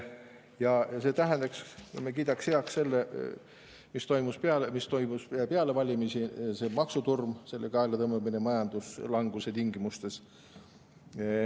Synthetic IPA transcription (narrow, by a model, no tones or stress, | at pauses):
jɑɑse̞ːt̪æɦend̪ɑkskmek̬iːd̪ɑksheɑksse̞lːe | mist̪o̞jmuspeɑlemist̪o̞jmuspeɑle̞vɑlʲimisise̞mɑksut̪urmse̞lːeɡɑelet̪ɤmːemːinemɑjɑnd̪̥uslɑŋɡ̥uset̪iŋɡimust̪e̞s